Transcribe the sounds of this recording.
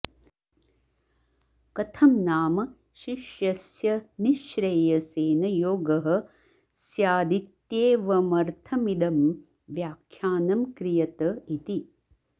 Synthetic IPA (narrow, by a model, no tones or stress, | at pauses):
kɐt̪ʰɐmnaːmɐ | ʃiʃjɐsjɐniʃɾeːjɐseːnɐjoːɡɐɦɐ̆ | sjaːd̪it̪jeːʋɐmɐɾt̪ʰɐmid̪ɐm | ʋjaːkʰjaːnɐmkɾijɐt̪ɐit̪i